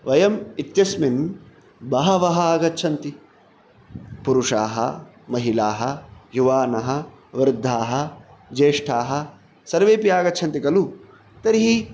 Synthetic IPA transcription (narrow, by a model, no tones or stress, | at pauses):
ʋɐjɐmit̪jɐsmin | bɐɦɐʋɐɦaːɡɐtːt͡ʃʰɐnt̪i | puɾuʂaːɦɐ̰ | mɐɦilaːɦɐ̰juʋaːnɐɦɐ̆ | ʋɾd̪ʱːaːɦɐ̆d͡ʒeːʂʈʰaːɦɐ̆ | sɐɾʋeːpijaːɡɐtːt͡ʃʰɐnt̪ikɐlu | t̪ɐɾiɦi